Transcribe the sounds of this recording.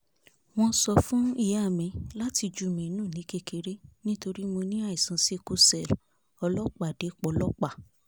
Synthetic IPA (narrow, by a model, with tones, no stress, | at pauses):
w̃ɔ̃˧sɔ˧fũ˦i˦˨ja˦˨mĩ˨˧la˦ti˧d͡ʒu˦˨mĩ˨˧nũː˦˨nĩ˨˦ke˦ke˧ɾe˦nĩ˦to˧ɾi˦mõ˧nĩ˦a˦˨i˨sã˨˧si˦˧ku˦sɛ˦˨l | ɔ˧lɔ˦k͡pa˦˨de˨˦k͡pɔ˧˦lɔ˦k͡pa˦˨